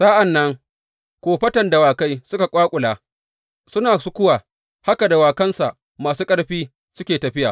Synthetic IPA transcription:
saː˦ʔa˨nːɐ˦ŋ | kʷoː˨ɸɐ˦tɐ˨nda˨waː˨ka˦jsʊ˦ka˨kʷʼaː˦kʷʼʊ˨laː˨ | sʊ˦naː˨sʊ˦kʷʊ˦waː˨ | ha˦ka˨da˨waː˨kɐ˦nsa˨ʔ | maː˨suː˦kʼɐ˦ɽɸiː˦ | sʊ˦kʲeː˨tɐ˨ɸɪ˦jaː˨

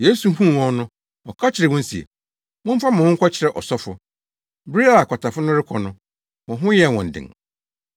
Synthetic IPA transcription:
jeː˨˦su˨˦ɦũ˦˨wɔ̃˦nʊ̃˦ | ɔ˨kʰa˦t͡ɕʰɪ˨ɾɛ˨wʊ̃˦n˦si˨ḛ˨ | mʊ̃˦m̩˦fa˦mʊ̃˨hʊ̃˦ŋ̩˦kʰʷɔ˦t͡ɕʰɪ˨ɾɛ˨ʔɔ˨sɔ˦fʊ˨ | bɾi˦a˦a˨kʷʰɔ˨tʰa˨fʊ˦nʊ̃˦ɾɪ˦kʰɔ˨nʊ̃˦ | mʊ̃˨ɦʊ̃˦jɛ˨wɔ̃˨n̩˨dɪ̰̃˨ŋ

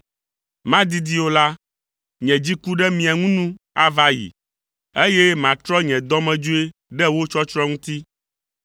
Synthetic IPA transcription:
mã˦d̪i˦d̪i˦o˦la˦ | ɲɛ̃˨d͡ʑi˦ku˦ɖɛ˦mĩ˨a˨ŋũ˦nũ˦ | a˦va˦jḭ˨ | e˦jɛ˦mã˨t̪ɾɔ˦ɲɛ̃˨d̪ɔ̃˦mɛ̃˨d͡ʒu˦e˦ɖɛ˦wo˦t͡ʃɔ˦t͡ʃɾɔ˦ŋũ˦t̪i˦

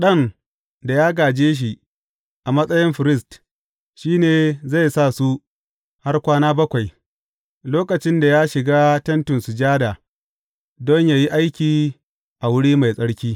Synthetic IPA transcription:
ɗɐ˦˨n | da˨jaː˦ɡaː˨d͡ʒeː˦ʃ̬i˨ | ʔa˨mɐ˦sʼɐ˦jɪ˦mɸɪ˨ɾɪ˦˨st | ʃiː˦neː˨za˦˨jsaː˦˨su˦ | ha˦rkʷaː˦naː˦bɐ˦kʷa˨j | loː˦kɐ˨t͡ʃɪ˦nda˨jaː˦ʃɪ˨ɡaː˦tɐ˦ntʊ˨nsu˨d͡ʒaː˦da˨ | dɔ˦ɲjaː˨ji˦ʔa˦jkʲiː˨ | ʔa˨wʊ˦ɽiː˦ma˨jsʼɐ˦ɽkʲiː˦

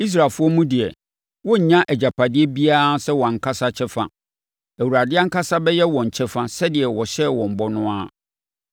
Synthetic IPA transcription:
i˦s̬ɾa˨lfʊ˦ɔ˦mũ˦dɪ˨ɛ˨ | wɔ̃˦ɲ̩˨ɲã˦ʔɛ˨d͡ʑa˨pʰa˨dɪ˦ɛ˦bi˦a˦sɛ˦wɔ˨ã˨ŋ̩˨kʰa˦sa˦t͡ɕʰɛ˦fã̰˦ | æ˨wu˨ɾa˨dɪ˦a˦ŋ̩˦kʰa˦sa˦bɛ˦jɛ˦wɔ̃˨ɲ̩˨t͡ɕʰɛ˦fã˦sɛ˦dɪ˨ɛ˨wɔ˨ɕɛ˦wɔ̃˨m̩˨bɔ˦nʊ̃˦a˦

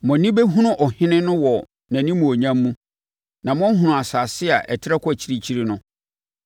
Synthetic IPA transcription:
mɔ̃˨nĩ˦be˦ɦũ˦nʊ̃˦ʔɔ˨hɪ̃˦nɪ̃˦nʊ̃˦wɔ˨ | nã˨nĩ˦mũ˨o˨ɲã˦mːũ˦ | nã˨m˦ɔ̃˦n̩˦ɦũ˨nʊ̃˨a˨sa˨sɪ˦a˨ʔɛ̰˨tʰɪ˦ɛ˦kʰʊ˦æ˨t͡ɕʰi˦ɾi˦t͡ɕʰi˦ɾi˦nʊ̃˦

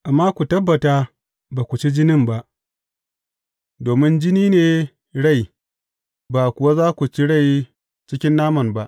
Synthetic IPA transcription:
ʔa˨mːaː˦kʷu˨tɐ˦bːɐ˨taː˦ | baː˨kʷu˨t͡ʃi˦d͡ʒɪ˦nɪ˦mba˦ʔ | doː˨mɪ˦nd͡ʒɪ˦niː˦neː˨ | ɽa˦˨j | baː˨kʷʊ˨wa˦zaː˦kʷu˨t͡ʃi˦ɽa˦˨j | t͡ʃɪ˦kʲɪ˦nːaː˦mɐ˨nba˦ʔ

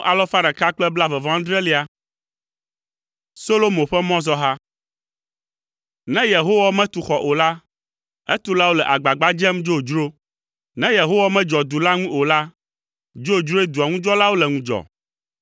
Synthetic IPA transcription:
ʔa˨lɔ˦fa˦ɾa˨ka˦k͡plɛ˦bla˦vɛ˨vã˦d̪ɾɛ˦li˦a˦ | so˦lo˦mo˨ɸɛ˦mɔ̃˦zɔ˦ɦa˦ | nɛ̃˦je˨ɦo˦wa˦mɛ̃˦t̪u˨xɔ˨ʔo˨la˦ | ɛ˦t̪u˦la˦wo˦lɛ˨ʔa˨ɡ͡ba˨ɡ͡ba˦d͡ʒɛ˦md͡ʒo˦˨d͡ʒɾo˦ | nɛ̃˦je˨ɦo˦wa˦mɛ̃˦d͡ʒɔ˨d̪u˨la˦ŋũ˦o˨la˦ | d͡ʒo˦˨d͡ʒɾo˦e˦d̪u˨a˨ŋũ˦d͡ʒɔ˦la˦wo˦lɛ˨ŋũ˦d͡ʒɔ̰˨

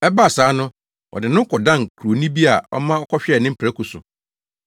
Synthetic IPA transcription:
ɛ˦ba˦˨saː˨˦nʊ̃˦ | ɔ̰˨dɪ˨nʊ̃˦kʰɔ˨dã˦˨ŋ˨kʰɾo˨nĩ˦bi˦a˨ɔ̰˦mã˦ɔ˦kʰɔ˦ɕᶣɛ˦˨nɪ̃˦m̩˦pʰæ˦kʰʊ˨sʊ̰˨

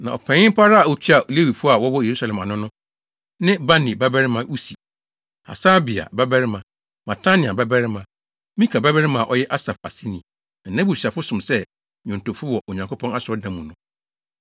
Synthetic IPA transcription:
nã˨ɔ̰˨pʰɛ̃˨ɲɪ̃˦m̩˦pʰa˦ɾa˦a˨ɔ˨t͡ɕʰi˦a˨le˦wi˨fʊ˦a˨wɔ˦wɔ˦je˨ɾu˦sa˨lɛ̃˨ma˨nʊ̃˦nʊ̃˦ | nɪ̃˦ba˦nĩ˨ba˦bɛ˦ɾɪ˦mã˦ʔu˦si˨ | a̰˨sa˦bi˨a̰˨ba˦bɛ˦ɾɪ˦mã˨ | ma˨tʰa˦nĩ˨a˨ba˦bɛ˦ɾɪ˦mã˨˦ | mĩ˦kʰa˨ba˦bɛ˦ɾɪ˦mã˨ʔɔ˦jɛ˦ʔa˦sa˨fa˨si˦nĩ˨ | n̩˨nã˦bu˨sᶣi˨a˨fʊ˦sʊ̃˨msɛ˦ | ɲʊ̃˨n̩˨to˨fʊ˦wɔ˨ʔo˨ɲã˨ŋko˦pʰɔ̃˦na˦sɪ˨ɔ˦dã˨mũ˨nʊ̃˦

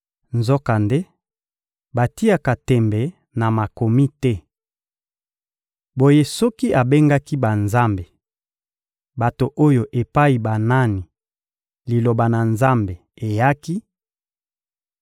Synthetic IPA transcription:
nzɔ˦ka˨nde˦ | ba˨ti˦a˨ka˨tɛ˨mbɛ˨ | na˨ma˨ko˨mi˦tɛ˦ | bo˨je˦sɔ˦ki˦ʔa˨be˦ŋɡa˦ki˦ba˨nza˦mbe˨ | ba˨to˨ʔo˦jo˨ʔe˨pa˦i˨ba˨na˦ni˨ | li˨lo˨ba˨na˨nza˦mbe˨e˨ja˦ki˦

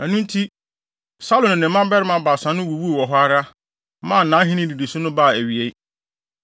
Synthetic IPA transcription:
æ˨nũ˦n˦tʰi˦ | sa˦lʊ̃˨ñ˨nɪ̃˨˦mːã˦m˦bɛ˦ɾɪ˦mã˦baː˨sã˨˦nʊ̃˦wu˨wu˦o˨wɔ˨ɦɔ˦a˦ɾa˦ | mã˦˨n̩˨nːã˨˦ɦĩ˦nɪ̃˦di˨di˨sʊ˦nʊ̃˦ba˦˨æ˨ɥi˨e˦

